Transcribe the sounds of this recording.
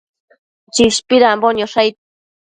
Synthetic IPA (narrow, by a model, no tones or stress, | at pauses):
t͡ʃiʃpiɾamboɲoʃajt̪̚